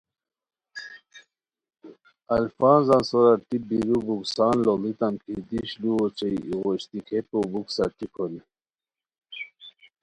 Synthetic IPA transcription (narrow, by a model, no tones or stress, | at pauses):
ɐlfɑːnzɑ̃nsɔɾaɾt̪ibiɾubuksɑːnlolit̪amkʰid̪iɕluot͡ɕeiiɣɔɕt̪ikʰepobuksaɾt̪ikʰɔni